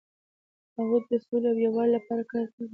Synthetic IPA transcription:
aɣot̪̚d̪əsoleawjawɑllapɑɾakɑɾkawi

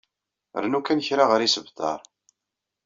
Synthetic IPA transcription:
ə̰ɾnukænəçɾaʁəɾisəvθɑ̰ɾˤ

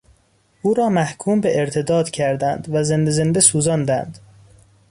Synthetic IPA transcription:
ʔuːɾɒːmæhkʰuːmbeeɾt̪ʰe̞d̪ɒːd̪̥cʰæɾd̪ænd̪væzend̪eze̞nd̪esuːzɒːnd̪ænd̪̥

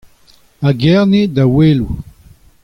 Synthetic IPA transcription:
aɡɛʁned̪aweːlu

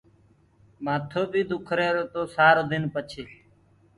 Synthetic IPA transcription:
maːt̪ʰoːbʱiːd̪ʊkʰɾeːɾoːt̪oːsaːɾoːd̪ɪnpət͡ʃʰeː

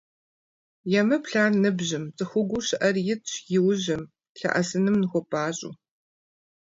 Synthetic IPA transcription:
jɛmɐpɬaːrnɨbʑɪmt͡sʼɨxʷʊɡʷʊɕɪʔɐrjɪtʰjɪwʊʑɐm | ɬɐ̰ʔɐsɨnɨmnɨxʷɔpʰʼaːɕʼṵː

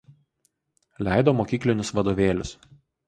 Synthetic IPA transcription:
lʲæˑɪd̪oːmoːkʲiːklʲɪnʲʊsʋɐd̪oːʋʲeːlʲʊs

